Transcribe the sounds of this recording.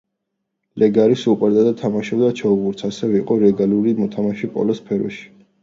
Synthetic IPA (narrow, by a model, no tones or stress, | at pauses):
lʔɛɡaɾisupʼɛɾd̪ʼad̪at̪ʰamaʃɔbd̪at͡ʃʰɛubuɾt̪sʰasɛvɛiqʼɔɾɛɡaluɾimɔt̪ʰamaʃɛpʼɔ̰lɔspʰɛɾɔ̰ʃi̥